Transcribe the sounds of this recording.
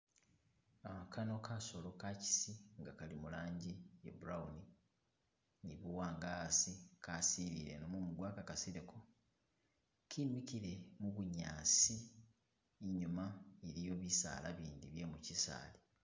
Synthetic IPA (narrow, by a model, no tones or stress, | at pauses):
aakʰano̞kʰaso̞lo̞kaci̥siŋɡakalimulaːɲɟijḛbuɾauni | niβuwaːŋɡasikaːsiɾḭɾḛnomumudwaːkakasiɾekʰo | kʰinwikiɾe̞muβuɲaːsi | eɲumaeɾijo̞βisa̰ːla̰βiːndiβje̞mucisa̰ːli